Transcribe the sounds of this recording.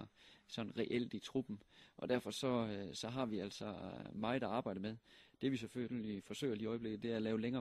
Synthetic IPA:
sɒ̽nʁɛʔel̰d̥it͡sʰʁub̥m̩ʔɒ̽d̥æɐfɒ̽sɒ̽sɒ̽ɦɑ̈ʋiæl̰sɒ̽mɑ̈ːɪæɑ̈ːb̥ɑ̈ɪ̰d̥əmeðˠd̥e̝ʋis̬eføifɒ̽sø̰ɪ̰ɐliːɒɪb̥le̝ɡ̥ð̩ˠd̥e̝æælɛːʊleŋɐː

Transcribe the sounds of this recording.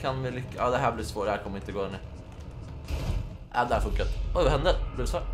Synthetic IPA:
kʰɑnʋɪlʏkːəɑd̪ɛɦæːblɪɾsʋoːɾəæɾkʰɔmːəɪnt̪ːəɡoːənə | ʔæd̪ɛæɾfʉŋkət̪ɔɪʋəɾhɛnd̪əblɪd̪sʋɑɾ

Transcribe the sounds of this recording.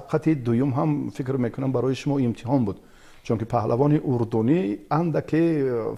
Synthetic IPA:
afqʰat̪id̪ujumɦamfikɾmekunambaɾɔjiʃumɔimt̪ʰihɔnbud̪ | t͡ʃʰuŋkipʰahlʔavɔniʔuɾd̪uniand̪akʰe

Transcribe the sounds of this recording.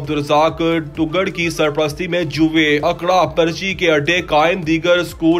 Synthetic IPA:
bd̪ʊɾzaːkʈʊɡəɽkisɐɾpɾəst̪ʰimẽd͡ʒʊʋeɐkɽapɐɾt͡ʃikeɐʈːekaːɪnd̪iːɡəɾskuː

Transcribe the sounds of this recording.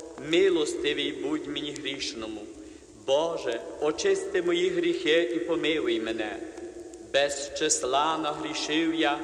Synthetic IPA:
mɪlˠɔst̪ɪʋʲijbutʲmenʲiɦɾʲiʃnɔmʊ | bɔʒɛpɔt͡ʃɪst̪ɪmɔjiɦɾʲixɪʔipɔmɪʋɪjmenɛ | bɛzʃt͡ʃeslˠɑnɐɦɾʲiʃɪwja

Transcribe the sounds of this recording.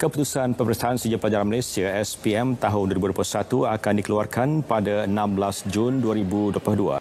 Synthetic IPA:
kəput̪usanpəpɾist̪aansəd͡ʒapəlad͡ʒaɾanmalajsiaɛspiɛmt̪aɦʊnduoɾibudoplusat̪uakandikəluarkʰanpadaənãmblasd͡ʒunduaɾibuduoplahdua̰

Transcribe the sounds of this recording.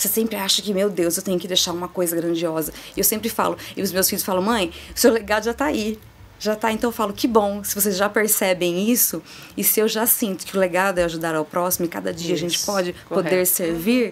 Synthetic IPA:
sesẽmpɾɪaʃɐkɪmewd̪ewzewt̪ẽɲ̃ʊkɪd̪ejʃaɾũmɐkojzɐɡɾɐ̃d͡ʒiɔzɐɪewsẽmpɾɪfa̰lʊɪʊzmewsfiʎʊsfalɐ̃w̃mɐ̃j̃ʊsewleɡad̪ʊʒat̪aai | ʒat̪aẽnt̪ɐ̃w̃falʊkɪbõw̃sɪ̥vos̬ezʒapeɾsɛbẽj̃isʊ | ɪsɪewʒasĩnt̪ʊ̥kɪʊleɡad̪ʊɛaʒud̪aɾawpɾɔsimʊɪka̰d̪ɐd͡ʒiɐaʒẽnt͡ʃɪ̥pɔd͡ʒɪppodd̪eɾseɾviɾ

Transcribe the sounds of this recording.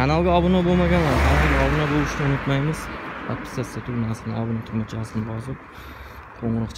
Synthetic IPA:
kanalˠɡʲaɒbɪnɒbolˠmaɡʲanlaɾkʰanalˠɡʲaɒbɪnabolˠɪʃnɪʊnʊt̪majmɪz̥a̰t̪̚pɪ̥st̪ʰasɪd̪at̪ʰʊɡʲnasɪnɪɒbɪnat̪ʰʊɾmat͡ʃʰaaslɪnɪbɒzɪp̚ | qʰoɴɾɨqt͡ʃʰ

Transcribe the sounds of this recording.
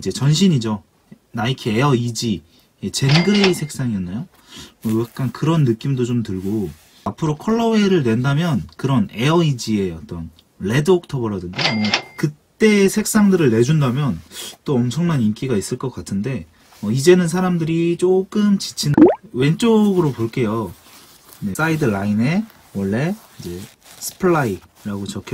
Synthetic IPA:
id͡ʑe̞t͡ɕʌnɕʰiɲid͡ʑo | naikʰieʌid͡ʑi | et͡ɕe̞nɡɯɾeisʰe̞k̚s͈aŋiʌnːajo | mʌɡak̚k͈ankɯɾʌnːɯk͈imdot͡ɕomtɯɭɡo | apʰɯɾokʰʌɭːʌweɾɯɭnwe̞ndamjʌnkɯɾʌne̞ʌid͡ʑie̞ʌ̰t͈ʌn | ɭe̞dok̚tʰʌbʌɾʌdɯndemʌkɯt͈e̞sʰe̞k̚s͈aŋdɯɾɯɭːe̞d͡ʑundamjʌnt͈oʌmt͡ɕʰʌŋnanink͈iɡais͈ɯɭk͈ʌk͈atʰɯnde̞ | ʌid͡ʑe̞nɯnsʰaɾamdɯɾit͡ɕ͈ok͈ɯmt͡ɕi̥t͡ɕʰinɯwe̞nt͡ɕ͈oɡɯɾopoɭk͈e̞jo | ne̞s͈aidɯɭaine̞ | wʌɭːe̞id͡ʑe̞ | sʰɯ̥pʰɭai | ɾaɡot͡ɕʌkʰe

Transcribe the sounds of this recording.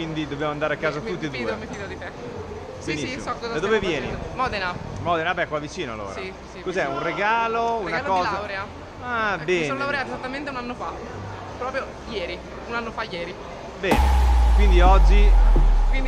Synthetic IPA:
wind̪id̪objamoand̪aːɾeakːaːzat̪ut̪ːied̪uːemfid̪od̪it̪ɛ | benissimsɔkːɔzad̪ad̪oːvevjjɛːnimɔd̪enamɔd̪enapɛkwavːit͡ʃiːnoalːo̰ːɾai | sikozɛunreɡaːlounakɔːlawɾea | abɛːnlawɾeat̪ezat̪ːament̪eunanːofa | pɾɔːpɾjo | jɛːɾi | unanːofajɛːɾi | bɛːnekwind̪iɔd͡ʒːikwin

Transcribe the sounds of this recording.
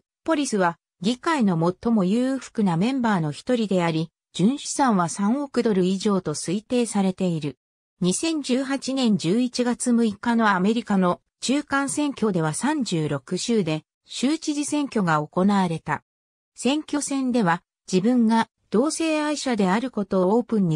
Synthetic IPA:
po̞ɾʲisɨβa | ɡʲikaino̞mo̞t̪ːo̞mo̞jɯːɸɯ̥kɯ̟namẽ̞mbaːno̞çi̥t̪o̞ɾʲid̪e̞aɾʲi | d͡ʑɨ̃ɰ̃ɕi̥sãɰ̃β̞asãɰ̃o̞kɯ̟d̪o̞ɾɯ̟iʑo̞ːt̪o̞sɨit̪e̞ːsaɾe̞t̪e̞iɾɯ̟ | ɲ̟isẽ̞ɲ̟d͡ʑɨːɦat͡ɕinẽ̞ɲ̟d͡ʑɨːit͡ɕiɡat͡sɨmɯ̟ikano̞ame̞ɾʲikano̞ | t͡ɕɨːkãɰ̃sẽ̞ŋkʲo̞d̪e̞β̞asãɲ̟d͡ʑɨːɾo̞kɯ̟ɕɨːd̪e̞ | ɕɨːt͡ɕiʑisẽ̞ŋkʲo̞ɡao̞ko̞naβaɾe̞t̪a | sẽ̞ŋkʲo̞sẽ̞nd̪e̞βa | d͡ʑibɯ̟̃ŋɡa | d̪̥o̞ːse̞ːaiɕad̪e̞aɾɯ̟ko̞t̪o̞oːpɯ̟̃ɲ̟ːi

